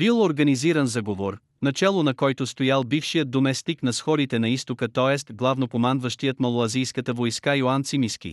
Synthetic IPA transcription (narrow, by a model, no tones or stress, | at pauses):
bilˠoɾɡɐniziɾənzaɡovoɾ | nɐt͡ʃɛlˠonɐkɔjt̪ʊst̪ojalˠbifʃijəd̪̚d̪omɛst̪iknɐsxɔɾit̪ɛnɐist̪okət̪ɔɛst̪ɡlˠavnokomanvəʃt̪ijət̪mɐlˠoɐzijskət̪əvojskajoant̪simiskʲḭ